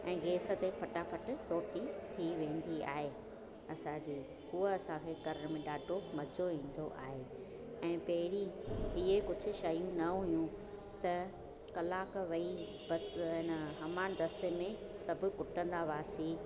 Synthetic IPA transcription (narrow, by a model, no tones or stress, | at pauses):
ɛ̃ːɡʱeːsə̆t̪epʰɐʈapʰɐʈʊ̆ʈoːʈit̪ʰiʋẽːn̆d̪ia̰ːɦe | ɐsãd͡ʑiː | uəɐsãkʰeːkɐɾəɽ̃mẽɗaːɖʱomɐd͡ʑʱoʋĩːn̆d̪o̰ʔa̰ːɦeː | ɛ̃ːpɐɦɪɾiɪɦekʊd͡ʑʱʊ̆ʃɐjũnɐɦʊijũ | t̪ɐ | kɐlaːkʋɐi | bɐsɦɪnəɦɐmaːñd̪ɐst̪emẽsɐbʱʊ̆kʊʈə̃nd̪aʋaːsiː